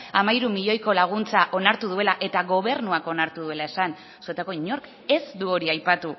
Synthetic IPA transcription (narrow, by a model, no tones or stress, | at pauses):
amajɾumiʎo̞jko̞laɣ̞unt͡saʔo̞naɾt̪uðue̞laʔe̞t̪aɣo̞β̞e̞ɾnuako̞naɾt̪uðue̞lae̞san | suet̪ako̞iɲo̞ɾk | e̞zd̪uo̞ɾiajpat̪u